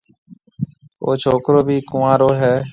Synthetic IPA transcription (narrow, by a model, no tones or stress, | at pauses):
o̰ːt͡ʃʰoːkɾoːbʱiːkʊʋãːɾoːɦɛː